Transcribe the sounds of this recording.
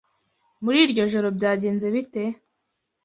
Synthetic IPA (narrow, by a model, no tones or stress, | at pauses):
muɾiːɾɟo̞ʒo̞ɾo̞bjaːɟeːnze̞βite̞